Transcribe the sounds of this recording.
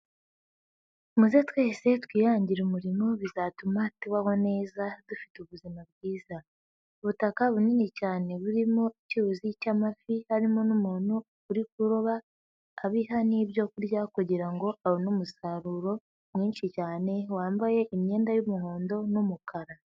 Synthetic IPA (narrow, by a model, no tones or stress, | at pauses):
muze̞twe̞ːse̞twiːjaːɲɟiɾumuɾimo̞βizatumatuβaho̞ne̞ːzadufi̥tuβuzimab̚ɡiːza | uβutakaβuninicaːne̞βuɾimo̞iciuzicamafihaɾimo̞numuːn̥hu | uɾik̚uɾo̞βaː | βiɦaniːbjo̞kuɾɟakuɟiɾaŋɡo̞awonumusaɾuɾo̞ | mŋiːnʃicaːne̞waːmbaje̞ʔimɲe̞ːndajumuɦo̞ːndo̞numukʰaɾa